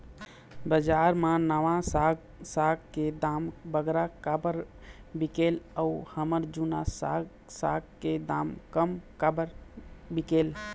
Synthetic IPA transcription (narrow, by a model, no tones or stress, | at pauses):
bəd͡ʒaɾmãnəʋãsaɡ | saɡked̪ambəɡɾakabəɾ | bikeləuhəməɾd͡ʒunasa̰ɡ | sa̰ɡ̚ked̪amkəmkabəɾbikel